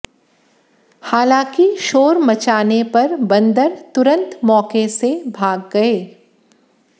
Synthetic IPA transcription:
haːlãːkiʃoːɾmɐt͡ʃaːnepɐɾbɐ̃nd̪əɾt̪ʊɾə̃nt̪mɔːkesebʱaːɡːɐeː

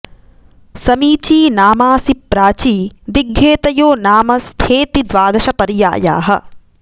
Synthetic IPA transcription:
sɐmiːt͡ʃiːnaːmaːsipːɾaːt͡ʃiːd̪iɡʱːeːt̪ɐjoːnaːmɐst̪ʰeːt̪id̪ʋaːd̪ɐʃɐpɐɾja̰ːja̰ːɦɐ̰̆

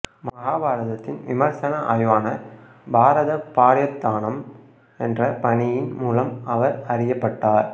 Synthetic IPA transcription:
mɐɣaːbaːɾɐðɐt̪ːɪnʋɪmɐɾsɐnɐʔaːjʋaːnɐ | bʱaːɾɐðɐpːaːɾjɐt̪ːaːnɐm | ɛndrɐpɐɳɪjɪnmuːlɐmɐʋɐɾɐrɪjɐpːɐʈːaːɾ

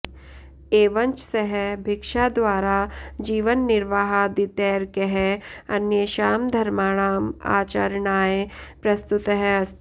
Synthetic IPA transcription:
eːʋɐ̃ɲt͡ʃseɦɛbʱɪkʃad̪ʋaːɾad͡ʒiːʋənːɪɾʋaːɦad̪ɪt̪ɛːɾkeɦɛɐ̰njəʃaːmd̪ʱɐɾmaːɽ̃aːma̰ːt͡ʃəɾɳaːepɾɐst̪ʊt̪ɦɛɐst̪

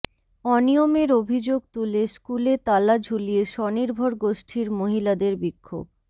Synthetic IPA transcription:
ɔnijomeɾobʱid͡ʑoɡ̚t̪uleskulet̪alad͡ʑʱulijeʃɔniɾbʱoɾɡoʃʈʰiɾmoɦilad̪eɾbikʰːo̰b̚

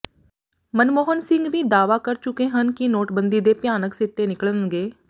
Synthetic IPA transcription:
mənmoːɦənsɪ̃ŋɡʋiːd̪aːʋaːkəɾt͡ʃʊkeːɦənkinoːʈbənd̪iːd̪eːpjaːnəksɪʈ̪ːeːnɪkəɭənɡeː

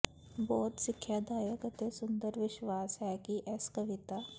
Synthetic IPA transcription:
bɔːt̪sɪkʰːjaːd̪aːjəkət̪esʊ̃nd̪əɾʋɪʃwaːsɦɛkiʔɛskɐʋɪt̪aː

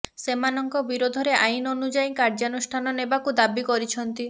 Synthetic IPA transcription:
semanɔŋkɔbiɾod̪ʱɔɾeʔajinonud͡ʒaikaɾd͡ʒanusʈʰanɔnebakud̪abikɔɾit͡ʃʰɔnt̪i

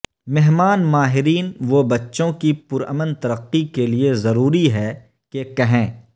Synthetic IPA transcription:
mɛɦmaːnmaːɦɪɾiːnʋobɐtːʃõkipʊɾə̰mə̃nt̪ɐɾəqːikeliezɐɾuːɾiɦɛː | kekɐɦẽː

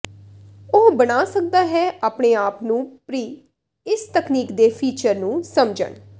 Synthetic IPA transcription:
ʊɦbəɽaːsək̚d̪aːɦɛːʔaːpɳeːaːpnũːpɾiː | ɪst̪əkniːkd̪eːpʰiːt͡ʃəɾnũːsəmd͡ʒə̰ɳ

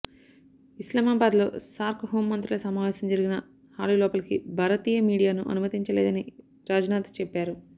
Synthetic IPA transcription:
islamaːbaːd̪lo̞̰ːsaːɾkɦoːmːɐnt̪ɾilɐsɐmaːʋɛːsɐmd͡ʒɐɾiɡinɐ | haːlulɔːpɐlkḭbʱaːɾɐt̪iːjɐmiːɽijaːnuʔɐ̰numɐt̪iɲt͡ʃɐleːd̪ɐni | ɾaːd͡ʒɐnaːt̪ɐ̥t͡ʃɛpːaːɾu

